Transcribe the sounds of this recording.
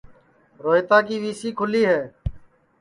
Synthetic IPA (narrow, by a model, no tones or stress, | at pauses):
ɾoːɦɪt̪ãːkiːʋiːsiːkʰʊliːɦɛː